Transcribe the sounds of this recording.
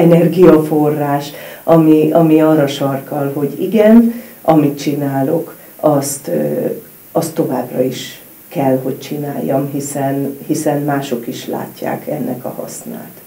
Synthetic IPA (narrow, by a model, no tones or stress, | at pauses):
ɛnɛrɡijɒfo̞rːaːʃɒmiɒmiɒrːɒʃɒrkɒlɦo̞ɟiɡɛnʔɒmit̪t͡ʃinaːlok | ɒst̪ː | ɒst̪ːo̞vaːbrɒ̰iʃ | kɛlɦo̞c̚t͡ʃinaːjːɒmɦisɛnhisɛnmaːʃo̞kiʃla̰ːcːa̰ːkʰɛnːɛ̰kɒ̰hɒ̰sna̰ːt̪